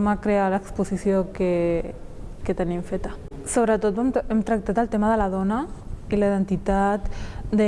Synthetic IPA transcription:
makɾealaəːkspusisjoke | ket̪ənimfet̪a | soβ̞ɾət̪ot̪memt̪ɾak̚t̪at̪əlt̪emaðəlaðonailaiðənt̪it̪at̪d̪ə

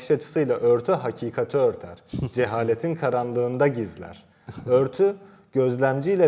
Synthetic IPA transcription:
ʃat͡ʃʰɯ̥sɯjlˠaʔøɾt̪ʰyɦacʰiːkʰat̪ʰøøɾt̪ʰæɾ̥d͡ʒeɦaːlʲet̪ʰinkʰaɾanlˠɯːnd̪aɟizlʲæ̰ɾ̥ | øɾt̪ʰy | ɟ̥ø̞zlʲæmd͡ʒijlʲɛ

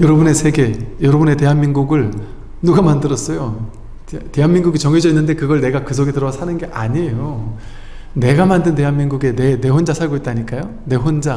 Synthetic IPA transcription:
jʌɾʌbune̞sʰe̞ɡe̞jʌɾʌbune̞te̞ɦanminɡuɡɯɭ | nuɡamandɯɾʌs͈ʌjo | te̞ɦanmiŋɡuɡit͡ɕʌŋed͡ʑʌinːɯnde̞kɯɡʌɭne̞ɡakɯsʰoɡe̞tɯɾʌasʰanɯnɡe̞ʔaɲejo | ne̞ɡamandɯnte̞ɦanminɡuɡe̞nene̞ɸond͡ʑasʰaɭɡoit̚t͈aɲik͈ajo | ne̞ɸond͡ʑa

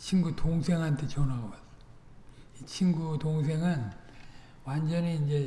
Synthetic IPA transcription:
t͡ɕʰinɡutʰoŋsʰeŋɦantʰet͡ɕʌnaɡʌbas | it͡ɕʰinɡut̪oŋs̬ʰeŋan | wand͡ʑʌniːnd͡ʑe

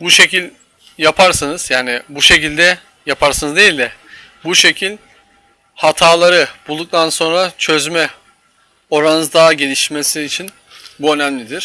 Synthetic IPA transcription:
buʃe̞cilʲ | japʰaɾsanɯz̥jaːnɪbuʃe̞cilʲd̪ɛ | japʰaɾsanɯzd̪e̞jilʲd̪ɛ | buʃe̞cʰilʲ | hat̪ʰaːlˠaɾɯbulˠd̪uk̚t̪ʰanso̞nɾat͡ʃʰø̞zmɛ | o̞ɾanɯzd̪aːɟe̞lʲiʃme̞siːt͡ʃʰin | buø̞næmlʲid̪iɾ̥

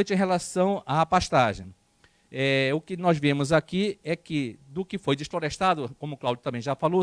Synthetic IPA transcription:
t͡ʃɪẽj̃ɦelasɐ̃w̃apaʃt̪aʒḛ̃j̃ | ɛʊkɪnɔzvẽmʊzakiɛkɪd̪ʊkɪfojd̪ɪsfloɾeʃt̪ad̪ʊkõmʊklawd͡ʒʊt̪ɐ̃mbẽj̃ʒafalo

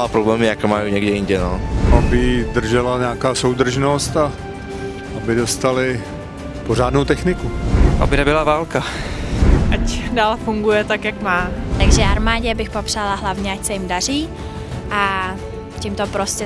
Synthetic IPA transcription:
apɾoblɛːmjɛjakomajuɲɛɡdɛjɪnɟɛnoabɪdr̩ʒɛlaɲɛaːkaːsowd̪r̩ʒnost̪a | ʔabɪdo̞st̪alɪ | poraːdnowt̪ɛxnɪkuʔa̰bɪnɛbɪlavaːlka | ʔacdaːlfuŋɡujɛt̪akjakmaːt̪aɡʒɛaɾmaːɟɛbɪxpopr̥aːlaɦlavɲɛacsɛjɪmdar̝iː | ʔa | cɪmt̪opɾoscɛ

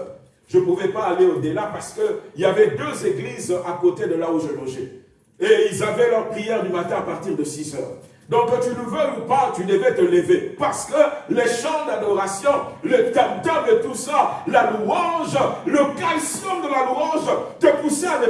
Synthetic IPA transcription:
ʒ̥əpuvɛpaːleod̪elapaʁsə̥kəiljavɛd̪øzeɡlizakot̪ed̪əlauʒəlɔʒe | eilzavɛlœʁpχijɛʁd̪ymat̪ɛ̃apaʁt̪iʁd̪əsizœ̰ːʁ | d̪ɔ̃kt̪yləvøupat̪yd̪əvɛt̪ələvepaʁsə̥kəleʃɑ̃d̪ad̪ɔʁasjɔ̃lət̪amt̪ad̪ət̪usalaluʁɑ̃ʒləkalsɔmd̪əlaluʁɑ̃ʒt̪əpusɛad̪e

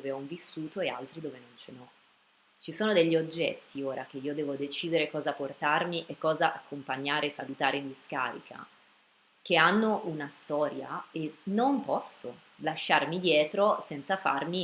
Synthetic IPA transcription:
d̪oːveɔɱvisːuːt̪oea̰lt̪ɾid̪oːvenont͡ʃenɔ | t͡ʃisoːnod̪eʎːiod͡ʒːɛ̰t̪ːioːɾak̟eiːod̪ɛːvod̪et͡ʃiːd̪eɾekɔːzaport̪armiʔekːɔːzaʔakʰːompaɲːaːɾesalut̪aːɾeind̪iska̰ːɾḭkʰa̰ | k̟eanːoʔunast̪ɔːɾja̰enːompɔsːo | laʃːarmid̪jɛːt̪ɾosɛnt̪safa̰rmi

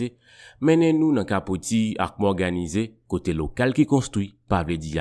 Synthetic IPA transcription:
e | mɛ̃nɛ̃nũnãkapot̪ia̰kk͡pɔɡanizekot̪elokalkikɔ̃st̪χipavledija

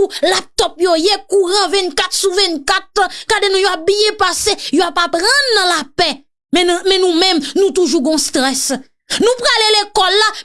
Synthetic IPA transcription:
ulap̚t̪ɔpjojekuʁãvɛ̃nkat̪suvɛ̃nkatãkadenũjoap̚bijɛpasejoapapʁãnːãlapɛ | mɛ̃mɛ̃nũmɛ̃mnũt̪uʒuɡɔ̃st̪ʁɛs | nũpʁalelekɔlːa

